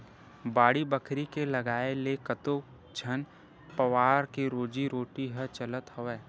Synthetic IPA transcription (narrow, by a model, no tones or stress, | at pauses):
baːɽibəkʰɾikelɐɡaːelekət̪o | d͡ʒʰʱən | pəʋaːɾkeɾoːd͡ʒiɾoːʈiɦət͡ʃələt̪ɦoʋɛː